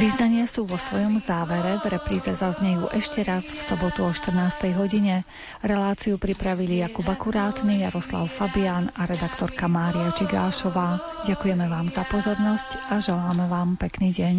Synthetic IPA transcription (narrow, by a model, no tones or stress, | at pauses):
ʋiznaɲɪasuːʋɔsʋɔjɔmzaːʋɛɾɛvɾɛpɾiːzɛzazɲɛjuːʔɛʃcɛɾazfsɔbɔt̪uɔʃt̪r̩naːst̪ɛjɦɔɟiɲɛ | ɾɛlaːt͡siupɾipɾaʋilijakubakuɾaːt̪nijaɾɔsla̰ʊfabianaɾɛd̪akt̪ɔɾkamaːɾiat͡ʃiɡa̰ːʃɔʋaː | ɟakujɛmɛʋaːmzapɔzɔɾnɔscaʒɛlaːmɛʋaːmpɛkniːɟɛɲ